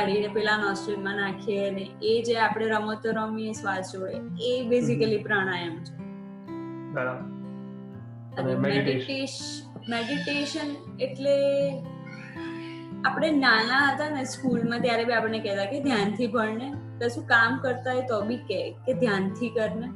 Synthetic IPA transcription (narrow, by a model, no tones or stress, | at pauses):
aɽinepɛlãnɔsʈəlmãnakʰieəneed͡ʒeapəɽ̃eɾəmot̪əɾomiesʋad̪d͡ʒoeebɪzikəlipɾaɽ̃ãjəmt͡ʃʰe | bəɾab | əɾemeɖie | meɖiʈeʃən | eʈle | apəɽ̃enanaɦət̪aneskulmãt̪jaɾebʱiapəɽnekɛt̪aked̪ʱjant̪ʰibʱəɽɳet̪əsũkamkəɾt̪aet̪ɔbikeked̪ʱjant̪ʰikəɾɳe